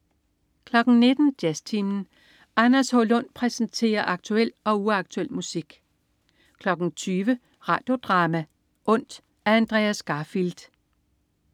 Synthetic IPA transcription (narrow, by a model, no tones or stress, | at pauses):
kʰlɒ̽ɡ̥n̩ne̝d̥n̩d̥jæst͡sʰimn̩ | ʔɑnɐsholɔ̽n̰pʰʁɛsn̩t͡sʰe̝̰ːɐʔɑ̈ɡ̥̚t͡sʰuel̰ɒ̽uɑ̈ɡ̥̚t͡sʰuel̰musiɡ̥ | kʰlɒ̽ɡ̥n̩t͡sʰyːʋə | ʁɑ̈ːd̥jo̝d̥ʁɑ̈ːmæ | ʔɔ̽n̰d̥ | æɐænd̥ʁḛæsɡ̥ɑ̈fild̥